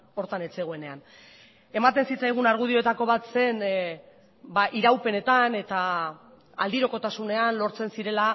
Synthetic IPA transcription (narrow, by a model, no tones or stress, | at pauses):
o̞ɾt̪ane̞t͡se̞ɣ̞oe̞ne̞an | e̞mat̪e̞nsit͡sajɣ̞unaɾɣ̞uð̞io̞e̞t̪ako̞β̞at̪se̞n | baʔiɾawpe̞ne̞t̪ane̞t̪a | a̰ld̪iɾo̞ko̞t̪asune̞anlo̞ɾt͡se̞nsiɾe̞la